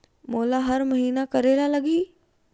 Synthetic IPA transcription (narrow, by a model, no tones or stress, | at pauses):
moːlaɦɐɾmɐɦiːnakɐɾeːlalɐɡiː